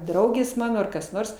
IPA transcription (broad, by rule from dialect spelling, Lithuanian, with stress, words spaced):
ˈdrɐʊɡʲeːs ˈmɑːnoː ˈɐr kɐs ˈnoːrs